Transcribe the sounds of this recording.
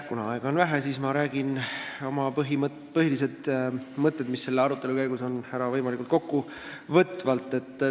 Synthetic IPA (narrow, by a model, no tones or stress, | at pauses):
kunɑɑe̞ɡ̥ɑonvæɦesiːsmɑɾæːɡ̥ino̞mɑpɤɦim | pɤɦilis̬ed̪mɤt̪ːˑe̞d̪̥misːe̞lːeɑɾut̪ːˑe̞lukæjɡ̥uso̞nhæɾɑvɤjmɑlikult̪ko̞kːu | vɤt̪ːˑvɑlt̪ːˑe̞t̪ːˑ